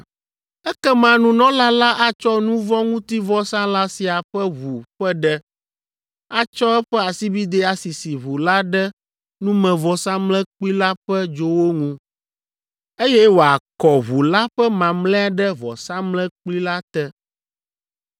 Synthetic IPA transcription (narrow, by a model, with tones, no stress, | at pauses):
ɛ˦kɛ˦mã˨nũ˦nɔ̃˦la˦la˦ʔa˨t͡ʃɔ˦nũ˦vɔ̃˦ŋũ˦t̪i˦vɔ˦sã˦la˦si˨a˨ɸɛ˦βu˨ɸɛ˦ɖɛ˦ | a˨t͡ʃɔ˦ɛ˦ɸɛ˦a˨si˦bi˦d̪e˦a˨si˨si˨βu˨la˦ɖɛ˦ | nũ˦mɛ̃˨vɔ˨sã˦mlɛ̃˦k͡pli˦la˦ɸɛ˦d͡ʒo˦wo˦ŋũ˦ | e˦jɛ˦wo˨a˨kɔ˨βu˨la˦ɸɛ˦mã˨mlɛ̃˦a˨ɖɛ˦vɔ˨sã˦mlɛ̃˦k͡pli˦la˦t̪ɛ˦